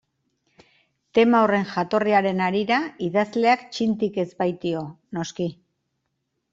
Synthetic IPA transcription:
t̪e̞maore̞ŋʝat̪o̞riaɾe̞naɾiɾaiðazle̞akt͡ʃint̪ike̞zbajt̪io̞ | no̞ski

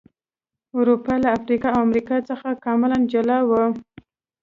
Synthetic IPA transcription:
ʊɾupɑlaːfɾikɑawamɾikɑt͡səxakɑmɪland͡ʒalɑwə

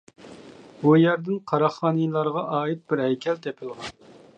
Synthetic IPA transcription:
bujæɾd̪ɪnqʰɑɾɑχːɑːnɨjlˠɑɾʁɑʔɑːit̪̚bɪɾɦɛjkʲʰɛlt̪ʰepʰɪlˠʁɑn

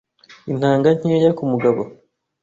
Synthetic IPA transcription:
in̥haːŋɡaɲ̥eːjakumuɡaβo

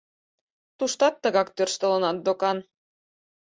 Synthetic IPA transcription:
t̪uʃt̪ɑt̪ːəɣɑkt̪ørʃt̪ə̆lənɑt̪̚d̪okɑn

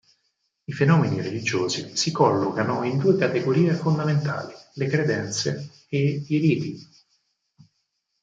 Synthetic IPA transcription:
ifenɔːmeniɾelid͡ʒoːzisikɔlːokanoind̪uːekat̪eɡoɾiːefond̪ament̪a̰ːlilekɾed̪ɛnt̪sḛ | eiɾiːt̪i

